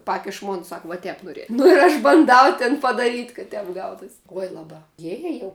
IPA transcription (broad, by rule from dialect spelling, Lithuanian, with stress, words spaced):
ˈpɑːkʲɪʃ ˈmoːn ˈsɐk ʋɐ ˈtʲɛp noːˈrʲiɛ ˈnʊ ɪr ɐʃ bɐnˈdɐʊ tʲɪn pɐdɐˈrʲiːtʲ kɐ ˈtʲɛp ˈɡɐʊtʊsʲ ˈuɔj lˠɐˈbɐ ˈjiɛ jiɛ jɛʊ